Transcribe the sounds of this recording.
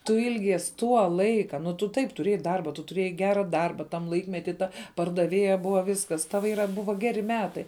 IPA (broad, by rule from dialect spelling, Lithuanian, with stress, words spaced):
tʊ ˈɪlʲɡʲiɛs ˈtuɔ ˈlˠɐɪkɐ nʊ tʊ ˈtɐɪp tʊˈrʲeːjɛɪ ˈdɐrbɐ tʊ tʊˈrʲeːjɛɪ ˈɡʲæːrɐ ˈdɐrbɐ tɐm ˈlˠɐɪkmʲɛtʲiː ˈtɐ pɐrdɐˈʋʲeːjɛ ˈbʊʋɐ ˈʋʲiːskɐs ˈtɑːʋɐ ˈiːrɐ ˈbʊʋɐ ˈɡʲæːrʲɪ ˈmʲæːtɐɪ